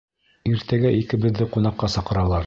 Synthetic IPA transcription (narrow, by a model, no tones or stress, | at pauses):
iɾt̪æɡæʔikɘ̆bɘ̆ðːɘqunɑqːɑsɑqɤ̆ɾɑlˠɑɾ